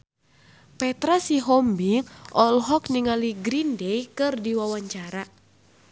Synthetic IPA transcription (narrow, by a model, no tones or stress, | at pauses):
pɛt̪ɾasiɦɔmbiŋʔɔlɦɔkniŋaliɡɾindɛjkɨrdiwawaɲt͡ʃaɾa